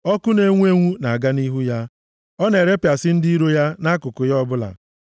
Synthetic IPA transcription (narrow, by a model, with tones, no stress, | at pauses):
ɔ˦kʊ˦ne˦ŋʷu˦e˦ŋʷu˦na˨ɡa˦ni˦ɦu˦ja˦ | ɔ˦ne˨ɾe˦pja˨sɪ˦n̩˦di˦ɾo˦ja˦na˦kʊ˨kʊ˨jɔ˦bʊ˦la̰˨